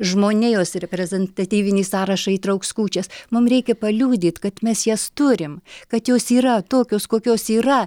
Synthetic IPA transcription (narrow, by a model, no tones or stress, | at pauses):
ʒmoːnʲejoːsɾʲɛpʲɾʲɛzʲɛnt̪ɐt̪ʲiːʋʲɪnʲiːsɑːɾɐʃɐiːt̪ɾɐʊkskuːt͡ʃʲɛsmʊmɾʲɛɪkʲɛpɐlʲuːd̪ʲiːt̪kɐt̪mʲɛsjɛst̪ʊɾʲɪmkɐt̪joːsiːrɐt̪oːkʲoːskoːkʲoːsiːrɐ